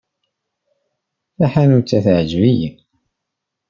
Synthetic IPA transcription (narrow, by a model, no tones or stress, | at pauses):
θaħanʊt͡sːæθʕʒvij